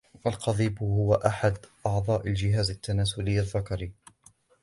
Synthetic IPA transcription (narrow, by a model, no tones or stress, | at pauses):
ʔalqɑðˤiːbhʊwaʔaħad̪ʔɑʕd̪ˤɑːʔald͡ʒɪɦaːzat̪ːanaːsʊlɪjːaðːakɑɾiː